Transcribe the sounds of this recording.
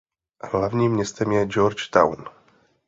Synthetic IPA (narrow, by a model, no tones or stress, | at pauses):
aɦlavɲimːɲɛst̪ɛmjɛd͡ʒɔɾt͡ʃt̪a̰wn